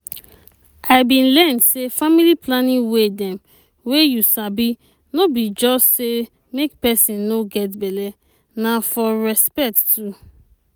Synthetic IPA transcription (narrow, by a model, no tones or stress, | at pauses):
aɪbĩnlɛ̃ndsefamiliplanĩwedɛ̃m | wejusabi | nobid͡ʒɔstse | mekpɛsĩnːoɡɛtbɛlɛ | nafɔɹɛspɛk̚ttu